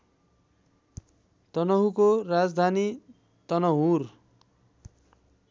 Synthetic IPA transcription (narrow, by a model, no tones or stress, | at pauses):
t̪ʌnʌɦukoɾad͡zd̪ʱani | t̪ʌnʌɦur